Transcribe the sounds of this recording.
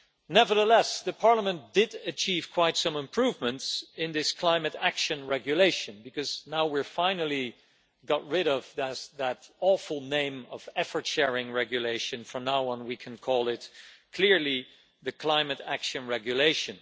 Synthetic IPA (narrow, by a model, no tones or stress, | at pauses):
nɛvə˞ðəlɛsðɨpʰɑɹləmə̃nd̥ɪɾɨt͡ʃʰiv̥kʰw̥aɪtsʌ̃mɨ̃mpʰɹ̥uvmɨ̃ntsɪ̃nðɪskʰl̥ãɪ̃mɨɾækʃɨ̃nɹɛɡjɨleɪʃɨ̃nbɨkʌz̥naʊwiɹfãɪ̃nl̩ˠi | ɡɑt̚ɹɪɾʌvðɨðɨɾɔfl̩ˠnẽɪ̃mʌvɛfə˞tʃɛɹɪ̃ŋɹɛɡjɨleɪʃɨ̃nfə˞naʊə̃nwikʰɨ̃nkʰɔlˠɪt̚kʰl̥ɪɹli | ðɨkʰl̥ãɪ̃mɨɾækʃɨ̃nɹɛɡjɨleɪʃɨ̃n